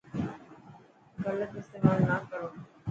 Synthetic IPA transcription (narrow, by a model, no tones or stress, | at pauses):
ɡələt̪ɪst̪eːmaːlnaːkəɽõː